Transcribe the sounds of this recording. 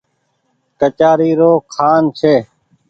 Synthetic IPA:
kət͡ʃaːɾiːɾoːkʰaːnt͡ʃʰeː

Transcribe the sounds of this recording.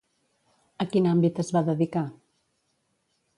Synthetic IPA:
əkinambit̪əzβaðəðika

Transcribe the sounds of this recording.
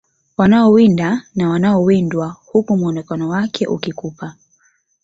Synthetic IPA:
wanaɔwindanawanaɔwindwahukumwɔnɛkanɔwakʰɛʔukikupa

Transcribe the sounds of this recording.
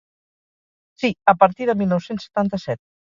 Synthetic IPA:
siəpəɾt̪iðəmilˠnɔwsensə̥t̪ant̪əsɛt̪̚

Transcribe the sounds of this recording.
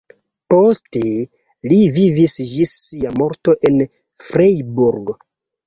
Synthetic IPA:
poste | livivisd͡ʒisːiamo̞ɾto̞ʔen | fɾejbuɾɡ

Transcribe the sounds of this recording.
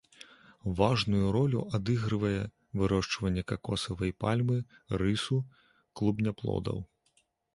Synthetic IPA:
vaʐnujuɾɔlʲṵʔad̪ɨɣɾɨvɐjɛ | vɨɾɔʂt͡ʂvɐnʲːɐkakɔsɐvɐjpalʲmɨrɨsu | klˠubnʲaplˠɔ̰d̪ɐ̰w

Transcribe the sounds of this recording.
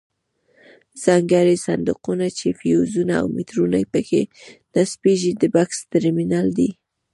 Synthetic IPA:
z̥ɑŋɡaɾisand̪ʊqunat͡ʃefijozunaa̰wmit̪ɾuna̰jpəkḛnaspeʒid̪əbakst̪ɪɾminald̪i

